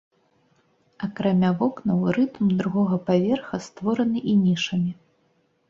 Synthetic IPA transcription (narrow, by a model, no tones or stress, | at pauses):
ɐkɾamʲavɔknɐwɾɨt̪md̪ɾuɣɔɣɐpavʲɛrxɐst̪vɔɾɐnɨʔinʲiʂɐmʲi